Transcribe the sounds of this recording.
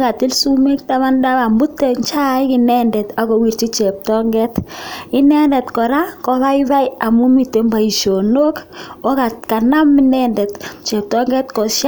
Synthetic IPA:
ka˨ti˦lsu˦me˦kta˦ma˦nda˦βa˨mbu˦te˨ɲt͡ʃa˦ɪ˦kɪ˨nɛ˦ndɛ˨ta˨ko˨wi˨ɾt͡ʃi˦t͡ʃɛ˨p̚tɔ˦ŋɡɛ˦tɪ˦nɛ˦ndɛ˨tkɔ˨ɾa˦kɔ˦ða˦ɪ˦ða˦ɪa˨mu˦mi˨te˨mba˨i˨ʃo˨no˦ko˦ka˨tka˨na˦mːɪ˦nɛ˦ndɛ˨tt͡ʃɛ˨p̚tɔ˦ŋɡɛ˦tkɔ˨ʃ

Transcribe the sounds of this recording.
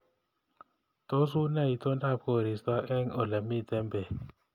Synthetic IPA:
to˦s̬u˦na˦˨i˨to˦nda˦˨p̚ko˦˨ɾi˨sta˦ʔɛ˦ŋo˨la˨mi˦˨tɛ˦mbe˨

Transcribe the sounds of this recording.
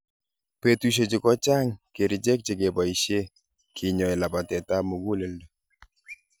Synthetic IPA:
pe˨tu˦ʃ̬e˨d͡ʒɪ˨kɔ˦t͡ʃa˦ŋke˨ɾi˨d͡ʒe˦k̚d͡ʒe˨ɡe˨ba˨i˨ʃe˦ | kʰɪ˨ɲɔ˨ɛ˨la˨pa˨tɛ˨ta˦mo˨ɡu˦le˨˦ldo˨

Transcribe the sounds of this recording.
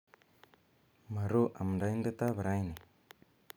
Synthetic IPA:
ma˨ɾo˦ʔa˨mndajnde˦t̪a˦βa˨ɾa˦jne˨

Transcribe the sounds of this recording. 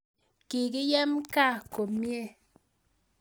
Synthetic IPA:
ki˨ki˦jɛ˦mka˦˨ko˨mje˦˨

